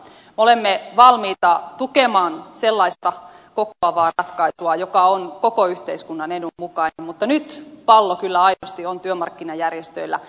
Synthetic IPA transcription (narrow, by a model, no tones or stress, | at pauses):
meolemːeʋɑlmiːt̪ɑt̪ukemɑːnselːɑist̪ɑ | kokoɑʋɑːrɑt̪kɑisuɑjokɑonkokoyht̪eiskunːɑnenummukɑinemmut̪ːɑnyt̪pɑlːokylːæɑinost̪iont̪yømɑrkːinɑjærjest̪øilːæ̰